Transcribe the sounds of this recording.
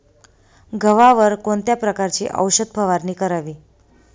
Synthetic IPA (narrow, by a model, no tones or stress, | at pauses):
ɡʱəʋaʋəɾkoɳt̪japɾəkaɾt͡ɕḭːʔə̰wɕəd̪̚bʱəʋaɾniːkəɾaʋiː